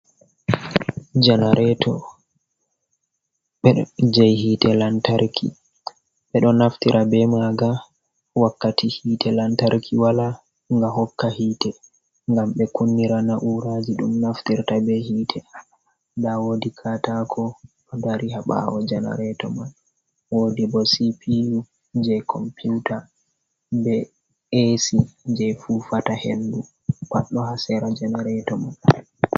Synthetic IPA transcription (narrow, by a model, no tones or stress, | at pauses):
d͡ʒanaɾɛtʰɔ̰ | ɓɛɗd͡ʒajhitɛlantaɾkʰḭ | ɓɛɗɔnaftiɾʔabɛmaɡa | wakːatihiːtʰɛlantaɾkʰiwala | ŋɡaɦɔkːahiːtɛ | ŋɡamɓɛkunːiɾanaʔuɾad͡ʒiɗumnaftiɾtabɛhiːtʰɛ | dawodikʰatakʰɔ | ɔdaɾiɦaɓa̰wɔd͡ʒɛna̰ɾɛtɔman | wodibɔsipʰiu | d͡ʒɛkʰɔmpʰuta | bɛ | esid͡ʒɛfufatahḛndu | kaɗːɔɦasɛɾad͡ʒɛnaɾɛtɔman